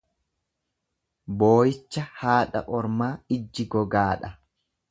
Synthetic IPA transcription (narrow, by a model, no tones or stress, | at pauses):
boːjɪt͡ʃːɐhaːɗɐ̰ʔɔɾmaːɪd͡ʒːɪɡɔɡaːᶑɐ